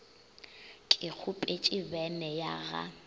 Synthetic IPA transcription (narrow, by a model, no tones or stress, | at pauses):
kʼɪk͡xʰʊpʼet͡ʃʼɪbɛnɛja̰ɣa̰